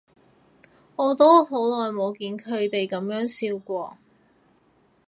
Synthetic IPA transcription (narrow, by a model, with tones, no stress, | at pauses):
ɔː˨˧t̪o˥wɦo˨˥wlɔː˨jmo˨˧wkiː˨nkʰɵ˨˧ɥt̪e˨jkɐ˨˥mjœː˨˥ŋsiː˧wkʷɔː˧